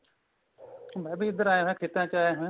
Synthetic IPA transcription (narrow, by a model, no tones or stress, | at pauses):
mɛ̃ːbʱiːɪd̪əɾaːjãɦẽːkʰɪt̪ãːt͡ʃaːẽːɦẽː